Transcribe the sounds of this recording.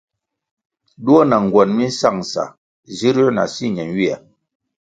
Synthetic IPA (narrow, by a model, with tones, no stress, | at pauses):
du˦ɔ˦na˨ŋ˨ɡwɔ˨nmi˦n˦sa˦˨ŋ˨sa̰˨ | zi˦ɾɔ˦na̰˨si˦˨ɲɛ˨nwi˦a˨